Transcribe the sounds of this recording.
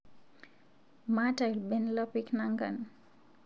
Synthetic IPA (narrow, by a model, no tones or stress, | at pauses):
matajlɓɛnlapiknaŋɡa̰n